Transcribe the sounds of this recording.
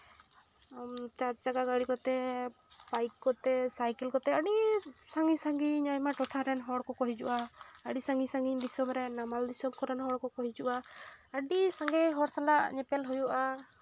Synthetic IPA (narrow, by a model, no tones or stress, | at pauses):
t͡ʃaɾd͡ʒaɡaɡaɽikɔt̪ɛ | bajkːɔt̪ɛsajkɛlkɔt̪ɛaɽisaŋɡisaŋɡiɲɲajmaʈɔʈʰaɾɛnɦɔɽkɔkɔɦid͡ʒuʔaəɖisaŋɡisaŋɡiɲd̪isɔmɾɛnamald̪isɔmkɔɾɛnɦɔɽkɔkɔɦid͡ʒuʔaːɖisaŋɡɛɦɔɽsalaʔɲɛpɛlɦujuʔa